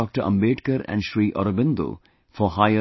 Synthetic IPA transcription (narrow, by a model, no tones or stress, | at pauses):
ɔːk̚ʈəɾʔɐ̰̃mbeːʈkəɾæ̰̃ɳɖʃɾiːʔɔ̰ɾobɪ̃nd̪o̰ | fɔɦaɪə